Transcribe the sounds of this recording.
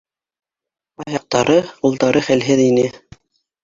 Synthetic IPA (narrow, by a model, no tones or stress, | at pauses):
ɑjɑq̚t̪ɑɾɤqulˠt̪ɑɾɤχælɦɘðinɘ